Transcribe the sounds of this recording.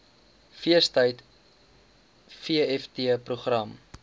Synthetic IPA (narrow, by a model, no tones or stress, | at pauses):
fiəstəjt | fiəɛftiəpruχrɐm